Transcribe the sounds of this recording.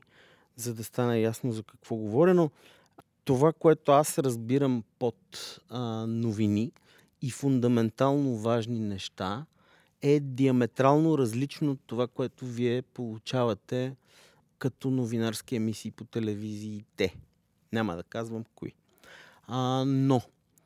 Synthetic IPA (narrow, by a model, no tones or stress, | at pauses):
zɐd̪ɐst̪anəjasnozɐkɐ̥kv̥ɔɡovɔɾino | t̪ovakoɛt̪oasɾəzbiɾəmpot̪ | noviniː | fʊnd̪ɐmɛnt̪alˠnovaʒninɛʃt̪a | ɛd̪iɐmɛt̪ɾalˠnoɾɐzlit͡ʃnot̪ːovakoɛt̪oviɛpolˠut͡ʃavɐt̪ɛ | kɐt̪ɔnovinaɾskiɛmisiːpot̪ɛlɛviziːt̪ɛ | nʲamə̰d̪ɐkazvəmkoḭ | no